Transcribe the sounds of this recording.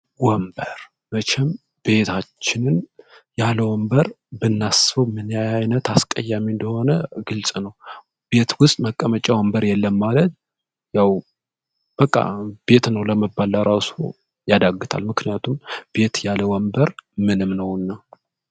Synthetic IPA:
wɔmbəɾ | bət͡ʃʰɛm | b̥e̞t̪ʰat͡ʃːɪnɨnjaləwɔmbəɾ | bɨnːasfəwmɨnjajajnət̪askʼəjːamind̪əho̞nəɡɨlsʼnəw | b̥e̞t̪wʊst̪ʼməkʼːəmət͡ʃʼawɔmbəɾjɛlːəmːalət̪̚ | jaw | b̥əkʼːa̰be̞t̪nəwləməbːalːaɾaso̰ | jad̪aɡːɨt̪ʰa̰lmɨknijat̪ʰumb̥e̞t̪jaləwɔmbəɾmɨnɨmnəwɨnːa

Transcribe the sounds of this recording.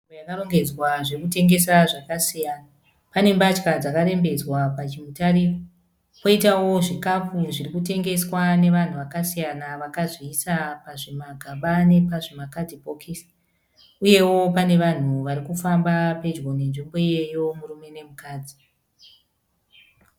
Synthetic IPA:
ibojakaro̞ŋɡe̞d͡zwaʐirkute̞ŋɡe̞saʐakasijaːna | pane̞mbat͡ʃkad͡zakare̞mbe̞d͡zwapat͡ʃimutaɾio | po̞itawo̞ʐikafuʐirikute̞ŋɡe̞swane̞ʋan̤uʋakasijanaʋakazisapaʐe̞maɡʱaɓane̞paʐemakadʱipokʰis | uje̞wo̞pane̞ʋan̤uʋaɾikufambape̞d͡ʒɡo̞ne̞nʐimbo̞ije̞jo̞muɾume̞ne̞mukaːd͡zi

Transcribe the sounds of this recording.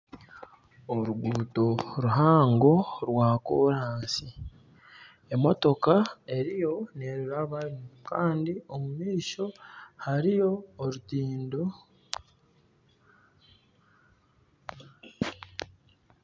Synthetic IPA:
oɾuɡuːto̞ɾuɦaːŋɡo̞ɾwaːkoːɾaːsi | e̞mo̞to̞kae̞ɾijo̞ne̞ɾiɾaβaɾimukaːndio̞mumiːʃo̞haɾijo̞ːɾutiːndo̞

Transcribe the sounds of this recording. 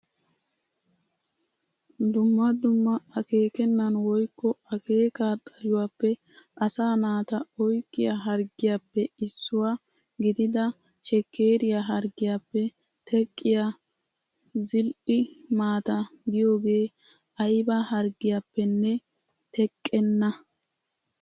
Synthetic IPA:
d̪ʊmːɐd̪ʊmːɐɐke̞ːkɛnːɐnwɔjkːɔɐkʰe̞ːkaːt̪ʼːɐjʊwaːpːɛ | ʔɐsaːnaːt̪ɐɔjkʼːɪjaɦɐɾɡɪjapːɛɪsːʊwa | ɡɪd̪ɪd̪ɐ | ʃɛkːeːɾɪjaɦɐɾɡɪjapːɛ | t̪ʰɛkʼːɪja | zɪlʔɪmaːt̪ɐɡ̪ɪjo̞ːɡe̞ː | ʔɐjbɐhɐɾɡɪjapːɛnːɛ | t̪ɛkʼːɛnːɐ

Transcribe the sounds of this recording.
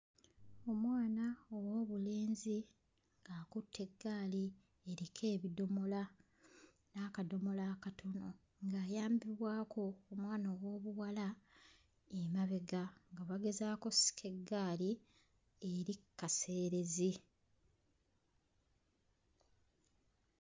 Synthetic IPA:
o̞mwaːnaowo̞ːβule̞ːnzi | ŋɡaːkutʰːe̞ɡːaːli | eɾikʰe̞ːβido̞mo̞la | naːkado̞mo̞laːkatʰo̞no̞ | ŋɡaːjaːmbiβwaːkʰo̞ːmwaːnawo̞ːβuwala | emaβe̞ɡaŋɡaβaɡe̞zaːko̞si̥kʰe̞ɡːaːli | e̞ɾikːase̞ːɾe̞zi

